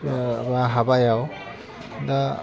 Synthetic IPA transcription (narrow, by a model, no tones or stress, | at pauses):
baɦabajaw | da